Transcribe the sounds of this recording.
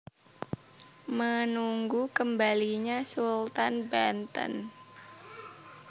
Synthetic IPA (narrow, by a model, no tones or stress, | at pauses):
mənuŋɡukəmbaliɲasult̪anbant̪ə̰n